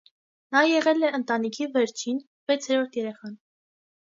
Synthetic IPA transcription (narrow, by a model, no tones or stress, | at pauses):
nɑjɛʁɛlɛənt̪ɑnikʰivɛɾt͡ʃʰin | vɛt͡sʰɛɾɔɾt̪ʰjɛɾɛχɑn